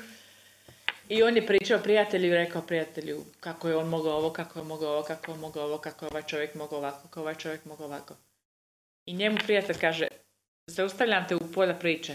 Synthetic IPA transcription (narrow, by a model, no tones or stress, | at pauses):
io̞ːnjepɾiːt͡ʃaopɾijat̪e̞ʎuiɾe̞kaopɾijat̪eʎṵkakojeo̞ːnmoɡaoʋokakojemo̞ɡaoʋokakojonmoɡaoʋokakojeo̞ʋaːjt͡ʃo̞ʋjekmoɡaoʋakokoʋaːjt͡ʃo̞ʋje̞kmoɡaoʋako | iɲe̞mupɾijat̪e̞ʎʲkaːʒḛ | zaust̪aʋʎʲamt̪eupoːʎapɾiːt͡ʃe